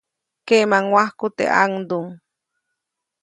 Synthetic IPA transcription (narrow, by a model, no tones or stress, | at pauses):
kemaŋwahkut̪ḛʔa̰ŋd̪uŋ